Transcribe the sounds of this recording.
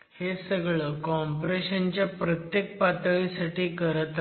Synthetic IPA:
hesəɡɭəkɔmpɾeɕənt͡ɕjapɾət̪jek̚pat̪əɭisaʈiːkəɾət̪

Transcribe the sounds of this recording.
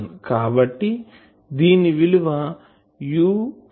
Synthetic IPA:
nkaːbɐʈːi | d̪iːniʋiluʋɐ | juː

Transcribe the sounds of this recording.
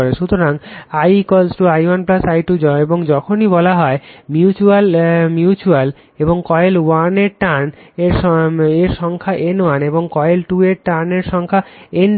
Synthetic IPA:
ɾeʃut̪oɾaŋajkɔlsʈuajwanplasajʈud͡ʑɔeboŋd͡ʑɔkʰonibɔlaɦɔemjut͡ɕualmjut͡ɕual | eboŋkɔjelwaneɾʈaneɾeɾʃɔŋkʰaʔenwaneboŋkɔelʈueɾʈaneɾʃɔŋkʰaen

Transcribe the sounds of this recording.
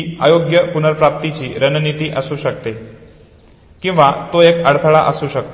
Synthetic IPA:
a̰joɡjəpunəɾpɾap̚t̪it͡ɕiːɾənnit̪iːʔəsũʃək̚t̪e | kĩʋat̪oekəɽt̪ʰəɭa̰ʔəsũʃək̚t̪

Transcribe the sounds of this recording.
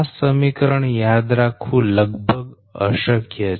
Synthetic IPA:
səmikəɾəɳjad̪ɾakʰũːləɡbʱəɡ | ə̰ɕəkjə

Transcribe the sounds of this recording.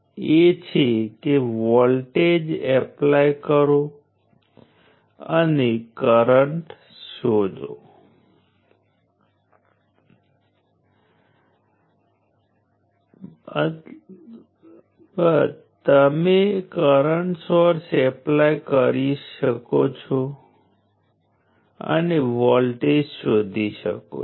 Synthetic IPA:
et͡ʃʰekeʋɔlʈed͡ʒɛplajkəɾo | ə̰nekəɾəɳʈ | sod͡ʒʱo̰ | bə | t̪əmekəɾəɳʈsɔɾsɛplajkəɾiʃəkot͡ʃʰo | ə̰neʋɔlʈed͡ʒsod̪ʱiʃə̰ko̰

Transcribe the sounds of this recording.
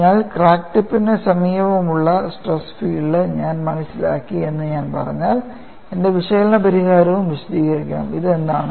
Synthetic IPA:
aːlkraːkʈipːinesɐmiːɐʋɐmuɭːɐsʈresfiːɖɨɲaːnmɐnɐsːila̰ːkːie̞nːɨɲaːnpɐ̰rɐ̰ɲːaːl | e̞nde̞ʋiʂɐːlɐɳɐpɐɾiɣaːɾɐʋumʋiɕɐd̪iːɣɐrikʲːa̰ːmiðe̞nd̪aːɳɨ

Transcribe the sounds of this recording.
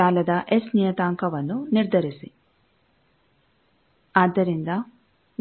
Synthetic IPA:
aːlɐd̪ɐʔesnijɐt̪aːŋkɐʋɐnːuniɾd̪ʱɐɾisḭ | aːd̪ɐɾiŋɡ̪ɐ | n

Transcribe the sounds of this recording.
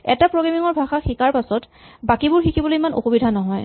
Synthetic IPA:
ɛ̰tapɹoɡamiŋɔɹbʱaxaxikaɹpasɔt | bakibʊɹxikʰibɔlojimano̰xubidʱanɔɦɔj

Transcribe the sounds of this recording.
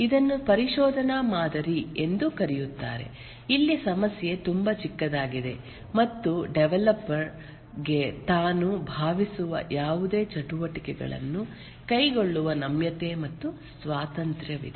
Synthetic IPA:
id̪ɐnːupɐɾiʃɔːd̪ʱɐnaːmaːd̪ɐɾie̞nd̪ukɐɾijut̪ːa̰ːɾe̞̰ | ilːisɐmɐsjet̪umbɐt͡ʃikːɐd̪aːɡid̪e̞ | mɐt̪ːuɖeʋɛlɐpːɐɾ | ɡe̞t̪aːnubʱaːʋisuʋɐ̰jaːʋud̪e̞ːt͡ʃɐʈuʋɐʈikɛɡɐ̰ɭɐ̰nːu | kɐjɡo̞ɭːuʋɐnɐmjɐt̪e̞ːmɐt̪ːusʋaːt̪ɐnt̪ɾjɐʋḭd̪e

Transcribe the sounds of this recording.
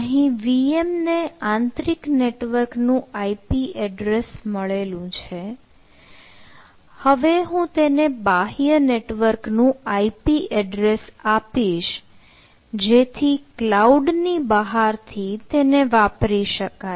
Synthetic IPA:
əɦĩʋiemneãnt̪ɾikneʈʋəɾknũaipiʔɛɖɾesməɭelũt͡ʃʰe | həʋeɦũt̪enebaɦijəneʈʋəɾknũaipiʔɛɖɾesapiʃ | d͡ʒet̪ʰiklauɖnibəɦaɾt̪ʰit̪eneʋapɾiʃəka

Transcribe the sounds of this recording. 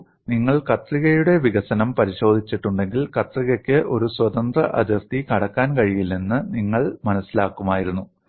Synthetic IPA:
niŋːɐɭkɐt̪riɣɐjuɽeʋiɣɐsɐnɐmpɐɾiɕo̞ːd̪ʱit͡ɕːiʈːuɳɖe̞ŋɡilkɐt̪riɣɐkʲːɨʔo̞ɾuswɐd̪ɐnd̪rɐʔɐ̰d̪ʱirt̪ikɐɽɐkːaːnkɐɻijilninːɨniŋːɐɭmɐnɐsːilaːkːumaːjiɾunːu

